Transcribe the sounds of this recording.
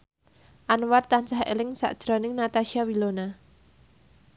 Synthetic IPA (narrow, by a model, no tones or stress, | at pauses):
ʔanwart̪ant͡ʃaɦḛlɪŋsa̰ʔd̥ʒ̥ɾɔ̤nɪŋnat̪aʃiawilona